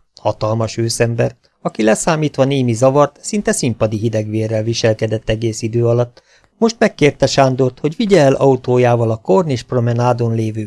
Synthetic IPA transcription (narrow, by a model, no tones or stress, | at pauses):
hɒt̪ɒlmɒʃøːsɛmbɛr | ɒkilɛsaːmiːt̪ʋɒneːmizɒvɒrt̪sin̪t̪ɛsimpɒd̪iɦid̪ɛɡʋeːrːɛlviʃɛlkɛd̪ɛt̪ːɛɡeːsid̪øːɒlɒt̪ː | mo̞ʃt̪mɛkːeːrt̪ɛʃaːnd̪ort̪ho̞ɟʋiɟɛːlʔɒut̪oːjaːvɒlɒko̞rneːʃpro̞mɛnaːd̪o̞nleːvøː